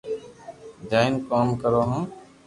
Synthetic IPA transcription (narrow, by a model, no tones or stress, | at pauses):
d͡ʒaːɪnkaːmkəɾoːɦãː